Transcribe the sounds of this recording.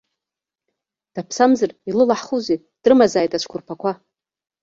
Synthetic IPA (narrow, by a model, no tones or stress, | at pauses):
d̥apʰsamzɨrilɨlaħχuze | d̥rɨmazaːjtʼat͡ʃʷʰkʷʰʊrpʰakʷʰa